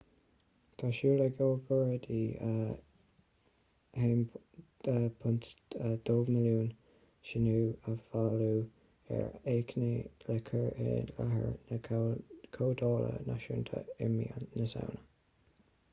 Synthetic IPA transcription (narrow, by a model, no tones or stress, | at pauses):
t̪ʰaʃuːlɛɡoːvəɹəd̪iə | heːm | əpʰʊnt̪əd̪oːvnəluːn | ʃɪnuːəvaluː | ɛ̰ɹeːkʰnelɛkʰəɹeːlaɦə̰ɹnəkʰoːd̪ɔːlə̰na̰ʃunt̪ʰə̰ɪminəsa̰wnə